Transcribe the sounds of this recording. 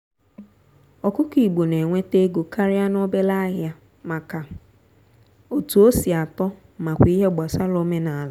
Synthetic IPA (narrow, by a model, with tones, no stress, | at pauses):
ɔ˨kʊ˦ki˨ɡ͡bo˨ne˨ŋʷe˦te˦ɡo˨ka˦ɾɪ˦a˦no˦be˦la˦ɦɪ˦a˦ | ma˨ka˨ | o˨tu˨o˦si˨a˨tɔ˦ | ma˨kʷi˦ɦe˦ɡ͡ba˨sa˦lo˦me˦na˨la˦